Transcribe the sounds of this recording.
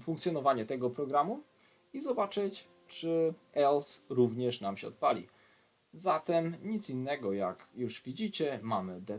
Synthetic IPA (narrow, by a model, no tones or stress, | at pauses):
fuŋkt̪sʲjɔnɔvaɲɛt̪ɛɡɔpɾɔɡɾamu | izɔbat͡ʂɘt͡ɕ | t͡ʂɘɛlsɾuvɲɛʂnamɕɛɔt̪̚palʲḭ | zat̪ɛmɲit̪sinːɛɡɔjakjuʂvʲid͡ʑit͡ɕɛmamɘd̪ɛ